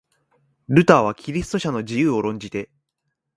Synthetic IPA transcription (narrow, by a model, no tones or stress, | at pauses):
ɾɯ̟t̪aːβ̞akʲiɾʲisɨ̥t̪o̞ɕano̞d͡ʑijɯːo̞ɾõ̞ɲ̟d͡ʑit̪e̞